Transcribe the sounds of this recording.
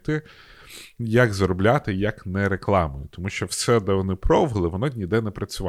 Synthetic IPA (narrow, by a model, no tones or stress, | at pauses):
t̪ɪ | jɐɡzɾɔblʲat̪ɪjɐknɛɾeklˠɑmʊjʊt̪ɔmuʃt͡ʃɔwsɛd̪ɐʋɔnɪpɾɔʋɪlˠɪʋɔnɔd̪ʲnʲid̪ɛnɪpɾɐt͡sʲʊʋɑ